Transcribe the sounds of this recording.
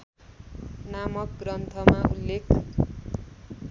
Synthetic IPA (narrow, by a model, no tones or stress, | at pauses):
namʌk̚ɡrʌnt̪ʰʌmaulːekʰ